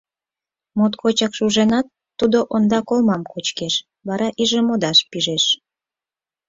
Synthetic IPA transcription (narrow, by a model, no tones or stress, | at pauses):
mot̪kʰot͡ɕɑkʃuʒenɑt̪ːud̪oʔond̪ɑkolmɑmkot͡ɕkeʃ | βɑɾɑʔiʒemod̪ɑʃpiʒeʃ